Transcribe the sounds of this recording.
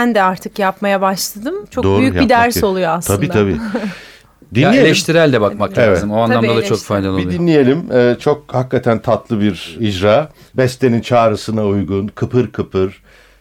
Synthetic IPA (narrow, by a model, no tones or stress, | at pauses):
ænd̪ɛaɾt̪ʰɯkjapmajabaʃlˠad̪ɯmt͡ʃʰod̪oːɾjyjbid̪æɾso̞lˠujoaslʰabiːt̪ʰabiː | d̪inlʲijelʲɛʃtt̪iɾælʲd̪ɛbakmaklʲevɛzɯmoanˠamd̪ad̪at͡ʃʰokfajd̪ʲalˠolid̪inlʲije̞lʲimɛːt͡ʃʰo̞k̚hakːat̪ʰænt̪ʰat̪lˠɯbiɾid͡ʒɾaː | bɛst̪enint͡ʃʰaːɾɯsɯnaujɡunkʰɯpʰɯɾkʰɯpʰɯɾ̥